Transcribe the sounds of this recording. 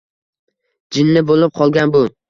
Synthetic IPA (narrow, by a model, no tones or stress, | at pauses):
d͡ʒɪnːɪbolɪp̚qʰɒlˠɡʲanbʊ